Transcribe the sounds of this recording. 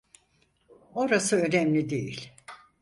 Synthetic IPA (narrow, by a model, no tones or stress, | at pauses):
o̞ɾasɯø̞nɛmlʲid̪ejḭlʲ